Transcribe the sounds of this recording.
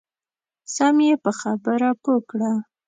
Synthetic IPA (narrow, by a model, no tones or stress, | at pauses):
sɑmjepəxabəɾapokɽa